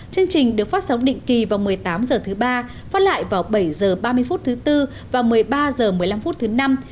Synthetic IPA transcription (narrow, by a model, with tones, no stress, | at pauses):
t͡ɕɨ˧əŋt͡ɕï˨˩ŋ̟ɗɨ˨˩əkfaː˦˥t̚sa˨˦wŋ͡mɗḭ˧˨ŋ̟ki˨˩vaː˨˩wmɨ˨˩əjt̪aː˨˦mzəː˨˩t̪ʰɨ˨˦ɓaː˧ | faː˦˥t̚la̰ː˧˨jvaː˨˩wɓə˧˩jzəː˨˩ɓaː˧mɨ˧əjfu˦˥t̚t̪ʰɨ˨˦t̪ɨ˧ | vaː˨˩wmɨ˨˩əjɓaː˧zəː˨˩mɨ˨˩əjla˧mfu˦˥t̚t̪ʰɨ˨˦na˧m